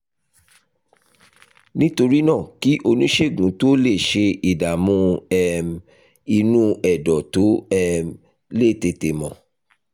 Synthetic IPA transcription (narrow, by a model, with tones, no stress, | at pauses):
nĩ˦to˧ɾi˦nã˦˨ki˨˦ʔo˧nĩ˦ʃe˦˨ɡũ˨˦to˦le˦˨ʃe˧i˨da˨mũ˧ɛ˧m | i˧nũ˦ɛ˨dɔ˨to˨˦ɛ˦˧m | le˦˨te˧˨te˨mɔ̃˨